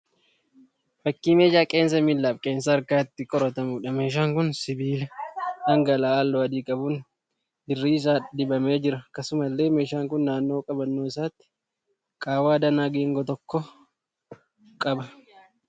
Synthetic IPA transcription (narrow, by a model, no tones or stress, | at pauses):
fɐkːiːmeːd͡ʒaːkʼe̞ːns̬ɐmɪlːaːfkʼe̞ːns̬ɐːɾkaːt̪ːɪkʼɔɾɔt̪ɐmʊᶑɐme̞ːʃ̬aːŋkʊnsɪbiːlɐɐŋɡɐlaːlːoːɐd̪iːkʼɐbʊn | d̪ɪrːiːɪs̬aːd̪ɪbɐme̞ːd͡ʒɪɾɐkɐsʊmɐlːe̞ːme̞ːʃaːŋkʊnːaːnːo̞ːkʼɐbɐnːoːɪsaːt̪ːɪ̥ | kʼaːwaːd̪ɐnaːɡeːŋɡɔt̪ɔkːɔ | kʼɐbɐ